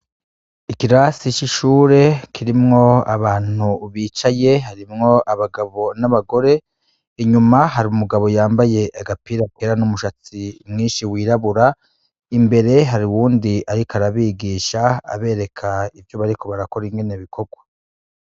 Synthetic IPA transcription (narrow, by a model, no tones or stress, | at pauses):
ikiɾasit͡ʃiʃuːɾe̞kʰiɾimŋo̞aβaːn̥uβiːt͡ʃaje̞ɦaɾimŋo̞ʔaβaɡaβo̞naβaɡo̞ɾe̞ | iɲumaɦaɾiumuɡaβo̞jaːmbaje̞ʔaɡapiɾakʰeɾanumuʃat͡simŋiːnʃiwiːɾaβuɾa | imbe̞ɾe̞ɦaɾiwuːndiʔaɾikaɾaβiɡiːʃaa̰βe̞ːɾe̞kʰaivjo̞βaɾiko̞βaɾako̞ɾiŋɡe̞neβikʰo̞ɡwa